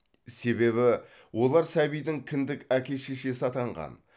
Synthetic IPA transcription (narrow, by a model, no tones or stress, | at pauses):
se̞βe̞βɪ | wʔo̞lˠɑɾsæbijd̪ɪŋkʲʰɪnd̪ɪkækʲe̞ʃeʃe̞sɑt̪ɑɴʁɑ̰n